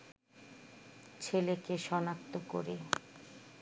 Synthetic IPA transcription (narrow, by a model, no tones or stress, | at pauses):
t͡ɕʰelekeʃɔnak̚t̪oko̰ɾe